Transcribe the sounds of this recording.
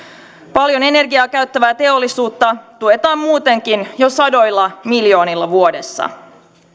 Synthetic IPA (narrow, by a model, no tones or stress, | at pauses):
pɑljo̞ne̞ne̞rɡiɑːkæɥt̪ːæʋæːt̪e̞o̞lːisuːt̪ːɑt̪uet̪ɑːmmuːt̪e̞ŋk̟injo̞sɑdo̞jlːɑmiljo̞ːnilːɑʋuo̞de̞sːɑ̰